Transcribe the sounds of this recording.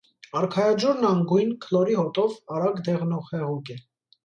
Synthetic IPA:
ɑɾkʰɑjɑd͡ʒɔɾnɑŋɡujnkʰəlɔɾiɦɔt̪ʼɔvɑɾɑɡd̪ɛʁnɔχhɛʁuɡɛ

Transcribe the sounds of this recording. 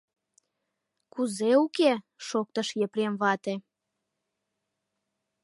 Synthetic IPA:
kuzeuke | ʃok̚t̪əʃjepɾemβɑt̪e

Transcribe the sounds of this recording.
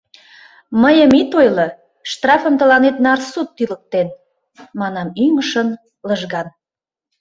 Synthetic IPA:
məjəmit̪ojlɤ | ʃt̪rɑfə̆mt̪əlɑnet̪nɑrsut̪ːylək̚t̪en | mɑnɑmyŋəʃən | ləʒɣɑn

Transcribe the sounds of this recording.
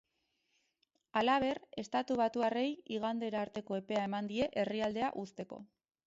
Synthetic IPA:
alaβ̞e̞re̞st̪at̪uβ̞at̪uare̞jiɣ̞and̪e̞ɾaːɾt̪e̞ko̞e̞pe̞ae̞mand̪ie̞ʔe̞riald̪e̞aʔust̪e̞ko̞̰

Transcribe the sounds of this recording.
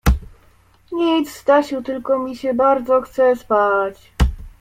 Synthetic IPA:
ɲit̪zzd̪aɕut̪ɘlkɔmʲiɕɛbaɾd̪zɔxt̪sɛspat͡ɕ

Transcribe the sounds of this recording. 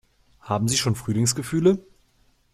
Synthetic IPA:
haːbm̩ziːʃoːnfʁ̥yːlɪŋsɡ̥əfyːlə

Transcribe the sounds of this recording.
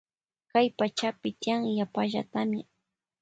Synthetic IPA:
kajpat͡ʃapɪt̪ɪjaŋjapaʒa̰t̪amɪ

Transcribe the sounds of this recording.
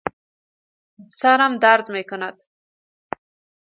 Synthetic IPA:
saɾamd̪aɾd̪mekʊnad̪

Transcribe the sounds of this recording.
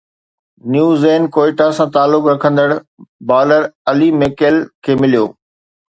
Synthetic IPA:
njuːzeːnkoːɪʈasãt̪aːlːʊkɾɐkʰə̃nd̪əɽbaːləɾɐlimekelkʰeːmɪlijo̰ː

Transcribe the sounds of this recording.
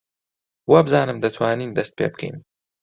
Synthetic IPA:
wabɨzaːnɨmd̪ɐt̪ʰwaːniːnd̪ɐst̪̚pʰḛːbɨ̥kʰɛ̰jn

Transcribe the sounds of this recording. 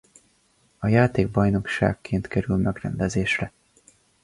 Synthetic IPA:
ɒjaːt̪eːɡ̚bɒjno̞kʃa̰ːkːeːnt̪kɛɾylmɛɡrɛnd̪ɛzeːʃrɛ

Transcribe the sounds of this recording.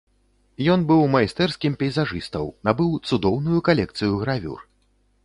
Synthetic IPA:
jɔnbɨwmɐjst̪ɛrskʲimpʲɛjzaʐɨst̪ɐwnabɨwt̪sud̪ɔwnujukalʲɛk̚t̪sɨjuɣɾavʲṵr

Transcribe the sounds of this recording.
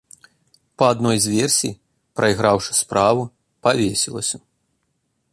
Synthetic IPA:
pɐad̪nɔjzʲvʲɛrsʲḭj | pɾʔɐjɣɾawʂɨ̥spɾavu | pavʲesʲilˠɐ̰sʲɐ

